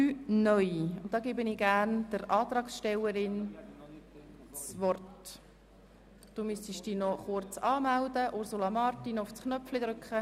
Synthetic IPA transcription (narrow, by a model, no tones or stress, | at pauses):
yːnœʏʊntd̥̪ɑːɡebəniːɡæːrnd̥əɾɑːt̪ɾɑːksʃtɛləɾɪn | t͡sʋɔrt | d̥umysiʃd̥iːnɔχʊɾt͡sɑːmældəʔʊɾsulɑmɑːrtinʊfsknœpflɪd̥̪ɾʏkχə